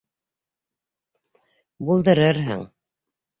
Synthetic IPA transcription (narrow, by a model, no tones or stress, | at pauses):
bulˠd̪ɤ̆ɾɤɾɦɘ̰ŋ